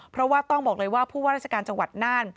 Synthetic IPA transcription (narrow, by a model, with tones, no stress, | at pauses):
pʰɾɔ˦˥waː˥˩t̪ɔ˥˩ŋbɔː˨˩k̚lɤː˧jwaː˥˩pʰuː˥˩aː˥˩ɾa˥˩t͡ɕa˧kaː˧nt͡ɕa˧ŋwa˨˩t̪̚naː˥˩n